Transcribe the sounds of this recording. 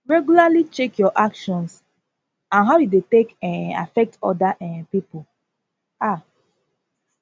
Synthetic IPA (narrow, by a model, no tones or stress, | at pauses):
ɹɛɡjulalit͡ʃekjɔʔakʃɔ̃ns | ãnɦaʊjudetekɛ̃a̰fɛk̚tɔ̰daʔɛpipo | a